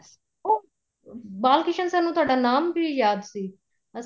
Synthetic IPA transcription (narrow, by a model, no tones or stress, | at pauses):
s | o | baːlkɪʃənsãːnũːt̪ʊaːɖaːnaːmbʱijaːd̪siː | ɐ